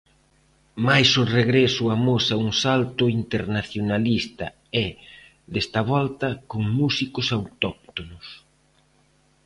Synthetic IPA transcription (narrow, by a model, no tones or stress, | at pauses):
majsʊreɣɾɛsʊamosauŋsalt̪ʊint̪eɾnaθjonalist̪ɐ | ɛ | ðɛst̪ɐβɔlt̪ɐkoŋmusikʊsawt̪ɔk̚t̪onʊs